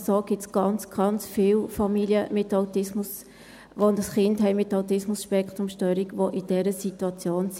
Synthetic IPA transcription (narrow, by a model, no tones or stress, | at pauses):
soːɡ̥ɪtsɡ̥ɑnt͡sɡ̥ɑnt͡sfiːlfɑmiliəmɪtɑʊtɪsmʊs | ʋondɑsχɪndɦɛɪmɪtːɑwtɪsmʊsʃpɛkt̪ɾʊmʃtœːɾiɡʋoʔid̥ɛɾəsituɑt͡sjoːns